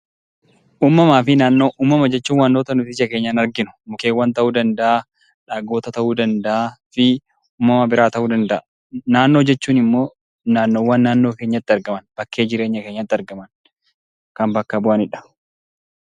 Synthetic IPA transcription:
ʔuːmːɐmaːfɪnaːnːoːʔuːmːɐmɐd͡ʒɛt͡ʃːuːnwɐnːoːt̪ɐnʊt̪ɪɪsɐke̞ːɲːɐnɐɾɡɪnʊ̥mʊkeːwːɐnt̪ɐʔuːd̪ɐnd̪ɐʔa | ᶑaːɡo̞ːt̪ɐt̪ɐʔuːd̪ɐnd̪ɐʔaːfɪ | uːmːɐmɐbɪɾaːt̪ɐʔuːd̪ɐnd̪ɐʔ | naːnːo̞ːd͡ʒɛt͡ʃːuːnɪmːo̞ː | naːnːoːwːɐnːaːnːo̞ːke̞ːɲːɐt̪ːɪɐɾɡɐmɐnb̥ɐkːe̞ːd͡ʒɪɾe̞ːɲːɐke̞ːɲːɐt̪ːɪɐɾɡɐmɐn | kɐmbɐkːɐbʊʔɐnɪᶑɐ̥

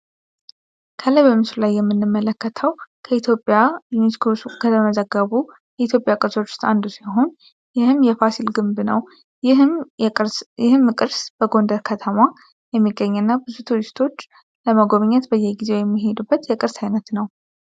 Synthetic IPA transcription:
kʰələjβəmɨsɾlajːɛmːɨnːɨmːələkːət̪ʰəwkʰəit̪ʰjo̞pʼːjajuniskʰosukʰət̪ʰəməzəɡːəβu | jɛit̪jo̞pʼjakʼɨɾso̞t͡ʃːst̪ʼand̪usaɦo̞n | jɪhɨmjɛfasilɡɨmbnə̰w | ɪhɨmkʼɨɾsb̥əɡo̞nd̪əɾkʰət̪ʰəma | jɛmːiɡːəɲːɨnːabɨzut̪ʰuɾist̪ʰo̞t͡ʃː | ləməɡo̞βɲːɛt̪bəjːɛɡize̞wjɛmːiɦe̞d̪ubːət̪jɛkʼɨɾsajnət̪nəw

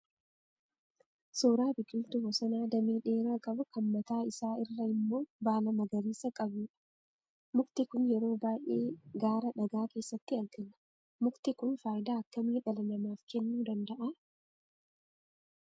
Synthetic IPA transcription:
soːɾaːbɪkɪlt̪ʊwɔsɐnaːd̪ɐmiːᶑe̞ːɾaːkʼɐbʊkɐmːɐt̪aːɪsaːɪrːɐɪmːo̞ːbaːlɐmɐɡɐɾiːsɐkʼɐbuːᶑɐ̥ | mʊkt̪ɪkʊnjɛɾo̞ːbaːjʔeːɡaːɾɐᶑɐɡaːke̞ːsːɐt̪ːɪɐlɡɐlɐ̥ | mʊkt̪ɪkʊnfaːjɪd̪aːɐkːɐmiːᶑɐlɐnɐmaːfkʰɛnːuːd̪ɐnd̪ɐʔɐ

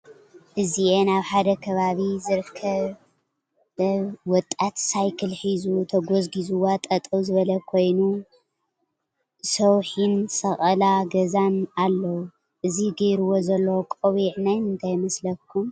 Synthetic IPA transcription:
ʔɨziʔenaβħad̪ɐkʰɐβaβizɨɾkʰːɐβ | wɔt̪ʼːat̪sajkʰɨlħizut̪ʰɐɡozɡizuwat̪ʼɐt̪ʼɐwzɨβɐlɐkʰo̞jnu | sɐwħinsɐxʼɐlaɡɐzanalːɐwu | ʔɨziɡeɾuwo̞zɐlːɐwkʼɐwiʕnajnɨnt̪ʰajmɐslɐkʰːum

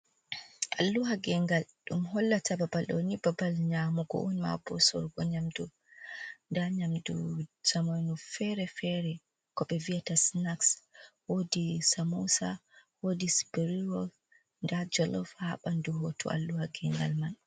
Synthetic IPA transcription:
ʔa̰lːuɦaɡɛŋɡalɗumɦɔlːatʰababalɗɔ̰nibabalɲamuɡɔ̰ʔɔnma̰bɔsɔ̰ɾɡɔɲamdu | ndaɲamdṵsamojnufɛɾɛfɛɾɛ | kɔɓɛviatasnakswodisamusa̰wodisbɛɾiɾɔ | ndad͡ʒɔlɔfhaɓanduɦotʰɔ̰ʔa̰lːuhaɡɛŋɡa̰lman

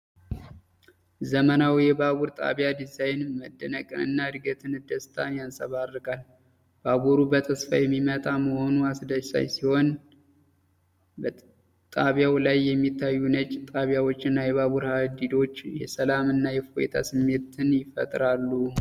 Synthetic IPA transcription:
zəmənawjɛbaβuɾt̪ʼa̰βjad̪izajnməd̪ːənəkʼɨnɨ̰nːaɨd̪ɡət̪ʰɨnɨd̪əst̪ʰʼa̰njansəβarːɨɡal | b̥aβuɾubət̪ʰəsfa̰jɛmːimət̪ʼaməho̞nuasd̪əsa̰jsiho̞n | bə | t̪ʼaβjawlajːɛmːit̪ʰːajːunət͡ʃʼt̪ʼaβjawot͡ʃːɨnːajɛβaβuɾhad̪id̪o̞t͡ʃːjɛsəlamɨnːajɛfojḛt̪ʰa̰sɨmːe̞t̪ʰɨnjɪfə̰t̪ʼɾalːu

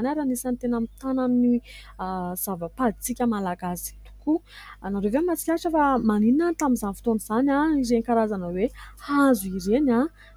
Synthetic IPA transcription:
anaɾanisanit̪enamit̪anani | z̥avəpad̪it͡sikʲəmalaɡaz̥t̪u̥ku | naɾevemat͡si̥kʲaʈ͡ʂəfamanininant̪amizanfi̥t̪oniz̥anʲaizenkaɾazanəwehazuiɾena

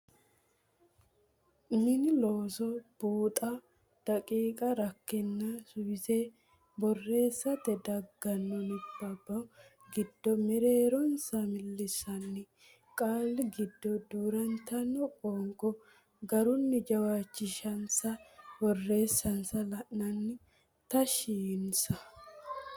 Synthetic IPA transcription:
mɪnɪloːsɔb̥uːt̪ʼɐ | d̪̥ɐkʼiːkʼɐɾɐkːɪnːɐsʊjɪse | bɔrːe̞ːsːɐt̪ɛd̪ɐɡːɐnːɔnɪbːɐbːɐ | ɡɪd̪ːɔmɛɾe̞ːɾɔnsɐmɪlːɪsɐnːɪ | kʼaːlːɪɡɪd̪ːɔd̪uːɾɐnt̪ɐnːɔkʼɔːŋkʼɔ | ɡɐɾʊnːɪd͡ʒɐwaːt͡ʃːɪʃɐnsɐbɔrːe̞ːsːɐnsɐlɐʔnɐnːɪ | t̪ɐʃiːnsɐ

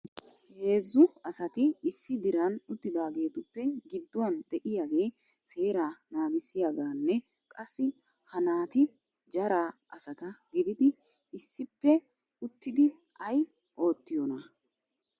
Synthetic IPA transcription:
he̞ːzːʊɐsɐt̪ɪɪsːɪd̪ɪɾɐnʊt̪ːɪd̪aːɡe̞ːt̪ʊpːɛɡɪd̪ːʊwɐnd̪ɛʔɪjaːɡe̞ː | se̞ːɾaːnaːɡɪsɪjaɡaːnːɛ | kʼɐsːɪ | hɐnaːt̪ɪ | d͡ʒɐɾaː | ɐsɐt̪ɐɡɪd̪ɪd̪ɪ | ɪsːɪpːɛ | ʊt̪ːɪd̪ɪ | ɐj | ʔo̞ːt̪ːɪjɔnɐ

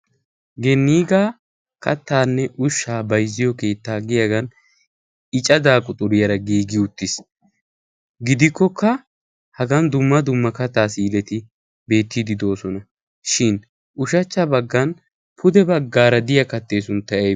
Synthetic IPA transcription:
ɡɛnːiːɡaː | kɐt̪ːaːnːɛʔʊʃːaːbɐjzːɪjɔke̞ːt̪ːaːɡɪjɐɡɐn | ɪt͡ʃʼɐd̪aːkʼʊt̪ʼʊɾɪjɐɾɐɡiːɡɪʊt̪ːɪs | ɡɪd̪ɪkːɔkʰːɐ | hɐɡɐnd̪ʊmːɐd̪ʊmːɐkɐt̪ːaːsiːlɛt̪ɪ | be̞ːt̪ːiːd̪ɪd̪o̞ːsɔnɐ | ʃɪn | ʔʊʃɐt͡ʃːɐbɐɡːɐn | pʰʊd̪ɛbɐɡːaːɾɐd̪ɪjɐkɐt̪ːe̞ːsʊnt̪ːɐʔe

